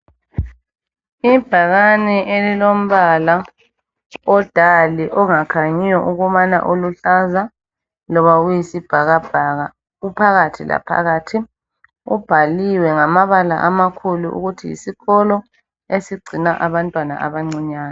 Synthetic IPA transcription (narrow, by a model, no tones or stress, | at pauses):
ib̥ʱaɣanɛʔelilom̩βala | ɔd̥ʱaliʔɔŋakʰaɲijɔʔuɣuβana̰ʔuluɬaza | lɔβaɣujisib̥ʱaɣab̥ʱaɣa | ɣupʰaɣatʰila̰pʰa̰ɣaːtʰi | ṵb̥ʱaliwɛŋamaβala̰ʔamakʰuluʔṵɣutʰijḭsiɣɔlɔ | esiɡ͡ǀʱinaʔaβantʼwana̰a̰βaŋ͡ǀiɲaːnɔ